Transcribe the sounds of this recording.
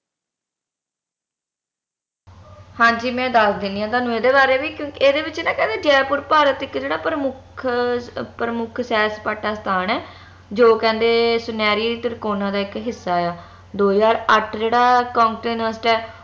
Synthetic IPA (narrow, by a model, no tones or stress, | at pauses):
hãːd͡ʒiːmɛ̃ːd̪əsd̪ɪ̃nd̪ijãːt̪aːnːũːeːd̪eːbaːɾeːʋiːkjõːkɪeːd̪eːʋɪt͡ʃːnãːkɛ̃nd̪eːd͡ʒɛːpʊɾpaːɾət̪ɪkd͡ʒeːɽaːpɾmʊkʰpəɾəmʊkʰsɛːspaːʈaːst̪ʰaːnɛː | d͡ʒoːkɛ̃ːnd̪eːsʊnɛːɾiːiːt̪ɪɾkoːnãːd̪aːɪkɦɪsːaːjaː | d̪oːd͡ʒaːɾəʈʰd͡ʒeːɽaːkɔ̃ːŋkʈːjʊnəːsɪʈɛː